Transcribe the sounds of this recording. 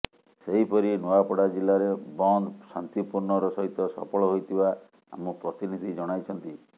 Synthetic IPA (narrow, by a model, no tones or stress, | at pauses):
seɦipɔɾinoapɔɽad͡ʒilːaɾebɔnd̪sant̪ipuɾɳɔɾɔsɔɦit̪ɔsɔ̰pɔɭɔɦojt̪ʰiba | a̰mupɾɔt̪inid̪ʱid͡ʒɔɽ̃ajt͡ʃʰɔnt̪i